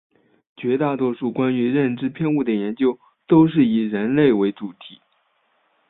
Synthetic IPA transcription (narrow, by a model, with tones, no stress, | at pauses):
t͡ɕɥɛ˧˥t̪a˥˩t̪wɔ˥ʂu˥˩kwa˥ny˧˥ɻə˥˧nʈ͡ʂɻ̩˥pʰjɛ˥˧nu˥˩d̪ə˩jɛ˧˥nt͡ɕjo˥ʊ | t̪o˥ʊʂ̬ɻ̩˥˩i˨˩ɻə˧˥nle˥˩ɪwe˧˥ɪʈ͡ʂu˨˩t̪ʰi˨˩˦